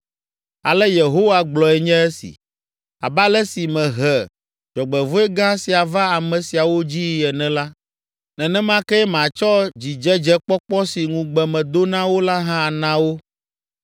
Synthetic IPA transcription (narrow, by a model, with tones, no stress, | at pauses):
a˨lɛ˦je˨ɦo˦wa˦ɡ͡blɔ˨ɛ˨ɲɛ̃˦ɛ˦sḭ˨ | a˨ba˦lɛ˦si˨mɛ̃˨ɦɛ˨ | d͡ʒɔ˨ɡ͡bɛ˨vo˦ɛ˦ɡã˦si˨a˨va˦a˨mɛ̃˨si˨a˨wo˦d͡ʑi˦jɛ˨nɛ̃˦la˦ | nɛ̃˨nɛ̃˦mã˦kɛ˦ɛ˦mã˨t͡ʃɔ˦d͡ʑi˨d͡ʒɛ˦d͡ʒɛ˦k͡pɔ˦k͡pɔ˦si˨ŋũ˨ɡ͡bɛ˨mɛ̃˨d̪o˦nã˦wo˦la˦ɦã˦a˨nã˦wo˦